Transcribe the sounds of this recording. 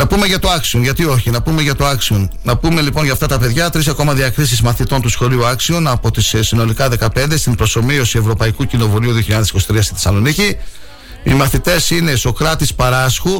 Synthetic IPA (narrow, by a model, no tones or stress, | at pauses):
nɐpume̞ʝɐt̪oɐksionʝɐt̪io̞çinɐpume̞ʝɐt̪o̞ɐksionnɐpume̞lipo̞nʝɐft̪ɐt̪ɐpe̞ðʝɐt̪ɾisɐko̞mɐðiɐkɾis̬izmɐθit̪o̞nt̪usxo̞liuɐksionɐpo̞t̪issino̞likɐðe̞kɐpe̞nd̪e̞st̪impɾo̞so̞mio̞sie̞vɾo̞pɐikucino̞vuliuðioçiʎɐðesiko̞sit̪ɾiɐst̪iθisɐlo̞nici | imɐθit̪e̞sine̞st̪o̞kɾɐt̪ispɐɾɐsxu